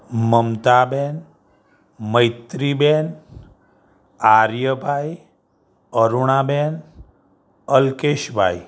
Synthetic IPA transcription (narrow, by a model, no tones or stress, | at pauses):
məmt̪abɛn | məjt̪ɾibɛn | aɾjəbʱaj | əɾuɳ̃abɛn | əlkeʃbʱa̰j